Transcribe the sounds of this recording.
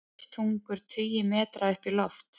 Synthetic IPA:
t̪ʰuŋkʏɾ̥t̪ʰʏːjɪmɛːt̪ɾaʏhpilɔft̪

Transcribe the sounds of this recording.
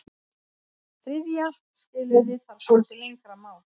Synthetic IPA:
θɾɪðja | scɪːlɪðɪθaɾsolt̪ɪlejŋkɾamaːwl

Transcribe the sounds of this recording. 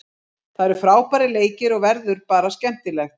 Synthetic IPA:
θaðɛɾʏfɾaːwpaɾɪleːjcɪɾɔɣvɛɾðʏɾpaːɾascɛm̥t̪ɪlɛxt̪

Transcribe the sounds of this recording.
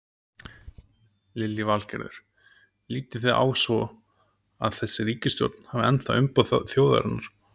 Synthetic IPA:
lɪlːɪvalcɛ̰ɾðʏ̰ɾ̥ | liːt̪ɪθeðʔa̰ːwsvɔ | aðθɛsːɪriːcɪst̪jo̰wt̪n̥havɪɛnt̪ʰaʏmpɔðθjoːwða̰ɾanaɾ̥

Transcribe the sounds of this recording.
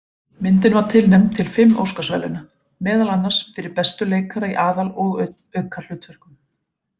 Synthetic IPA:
mɪnt̪̬ɪnvaɾ̥t̪ʰɪlnɛmnt̪ʰɪlfɪmːo̰wskasvɛ̰ːlɪna | mɛːðalanːḁsfɪɾɪɾpɛst̪ʏleːjkʰaɾaiʔaːðalɔɣœ | œɥkʰḁlʏːt̪ʰvœr̥kʏm

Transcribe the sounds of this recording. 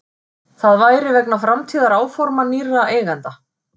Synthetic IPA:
θaðvaːjɾɪvɛknafɾamt̪ʰiːðaɾaːwfɔɾmaniraʔeːɣant̪a

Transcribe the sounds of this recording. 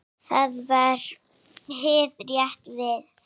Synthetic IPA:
θaðvaɾ̥ | ɦɪːðrjɛht̪vɪð

